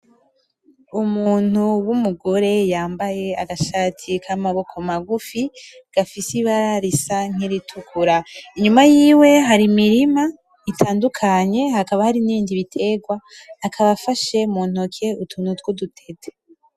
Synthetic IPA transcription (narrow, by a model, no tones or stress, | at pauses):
umuːn̥uwumuɡoɾe̞jaːmbaje̞aɡaʃaːtʰikʰamaβo̞kʰo̞maɡufi | ɡ̥afisiβaɾaɾisaŋ̥iɾitʰukʰuɾaiɲumajiːwe̞ɦaɾimiɾima | itʰaːndukʰaɲe̞hakaβahaɾiniːndiβitʰe̞ɡwaː | kʰaβafaʃe̞muːn̥ukʰe̞utʰunutɡodutʰe̞ze